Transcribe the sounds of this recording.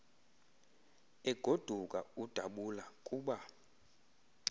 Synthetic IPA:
ɛɡ̥ʱod̥ʱukʼaud̥ʱaɓulakʼuːɓa

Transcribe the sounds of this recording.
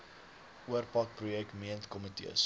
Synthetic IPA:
ʔuərpɐk̚prujɛkmiəntkɔmitḭəs

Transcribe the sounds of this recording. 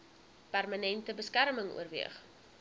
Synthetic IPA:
pærmɐnɛntəbəskærməŋṵərvḭəχ

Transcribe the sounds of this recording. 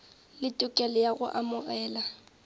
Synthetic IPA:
lɪtʼʊkʼɛlɔjaɣʊʔamʊɣɛːla

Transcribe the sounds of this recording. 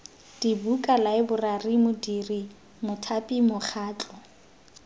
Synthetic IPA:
d̥ibukʼalaɪbʊrarimʊdiri | mʊtʰapʼimʊχʰaːt͡ɬʼɔ

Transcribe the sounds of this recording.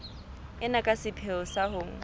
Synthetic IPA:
ɪnakʼasɪpʰɛʊsaɦoːŋ̩

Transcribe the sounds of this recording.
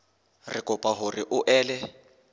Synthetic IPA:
rɪkʼʊpʼaɦʊrɪʔʊʔɛːlɛ

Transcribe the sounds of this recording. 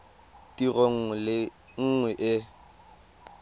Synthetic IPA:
tiroŋ̩lɪ | ŋ̩ŋwɛʔɪ

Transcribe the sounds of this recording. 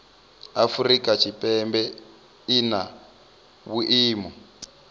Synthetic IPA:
afurikat͡ʃʰipʼɛmbɛ | ina | wuʔiːmɔ

